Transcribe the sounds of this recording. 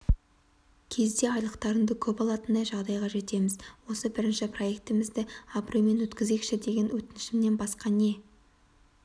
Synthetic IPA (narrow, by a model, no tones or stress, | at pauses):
kʲʰe̞zd̪e̞ɑjlˠəqt̪ɑɾənd̪əkʲʰɵpɑlˠɑt̪ənd̪ɑjʒɑʁd̪ɑjʁɑʒe̞t̪e̞mɪzwo̞səbɪɾɪnʃɪpro̞je̞k̚t̪ɪmɪzd̪ɪabrojme̞nwɵt̪kʲɪzekʃɪd̪e̞ɡʲe̞nwɵt̪ɪnɪʃɪmne̞nbɑsqɑne̞